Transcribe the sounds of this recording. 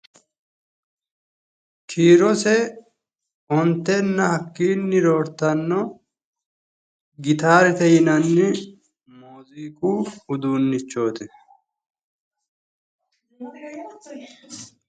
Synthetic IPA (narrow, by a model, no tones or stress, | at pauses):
kʰiːɾɔsɛ | ɔnt̪ːɛnːɐhɐkːiːnːɪɾoːɾt̪ɐnːɔ | ɡɪt̪aːɾɛt̪ɛjɪnɐnːɪ | moːziːkʼuːʊd̪uːnːɪt͡ʃːo̞ːt̪ɛ